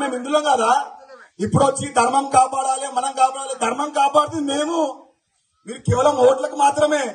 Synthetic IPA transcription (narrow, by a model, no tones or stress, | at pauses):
me̞ːmind̪uloːŋɡaːd̪aːipːuɽʋɐt͡ʃːid̪ʱɐɾmɐmkaːpaːɽaːleːmɐnɐmkaːpaːɽaːled̪ʱɐɾmɐmkaːpaːɽt̪ud̪ime̞ːmu | miːɾukeːʋɐlɐmoːʈlɐkumaːt̪ɾɐmeː